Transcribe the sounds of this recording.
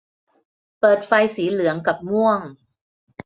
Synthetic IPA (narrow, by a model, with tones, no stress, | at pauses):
pɤː˨˩t̪̚fa˧jsiː˩˦lɯ˨˩˦əŋka˨˩p̚mu˥˩əŋ